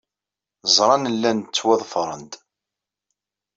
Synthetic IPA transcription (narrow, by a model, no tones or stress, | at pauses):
zˤɾˤɑnəlːænt͡sːwæðˤfɾˤə̰nd̪